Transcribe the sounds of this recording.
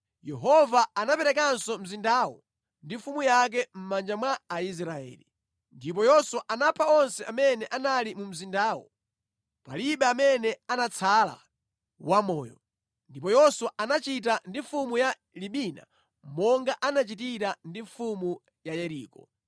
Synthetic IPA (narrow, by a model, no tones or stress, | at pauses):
jɛɦɔvaːnapɛɾɛkansɔm̩zindawɔ̰ | ndifumujak̬ɛm̩mand͡ʒamwaːis̬ɾaɛ̰ːlḭ | ndip̬ɔjɔswaʔanapʰaɔnsɛamɛnɛʔanalimum̩zindaːwɔ̰ | pa̰liɓɛamɛnɛanat͡sʰala̰ | wamɔːjɔ | ndipɔjɔswaʔanat͡ʃit̬andiɱfumuja | liɓina̰ | mɔŋɡaʔanat͡ʃitiɾandiɱfumu | jajɛɾḭːkɔ